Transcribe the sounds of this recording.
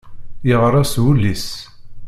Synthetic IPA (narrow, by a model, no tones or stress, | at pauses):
jəʁəɾˤæswulːis